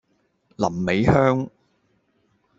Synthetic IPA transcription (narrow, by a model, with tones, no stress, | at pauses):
lɐ˨˩mːe˨˥jhœː˥ŋ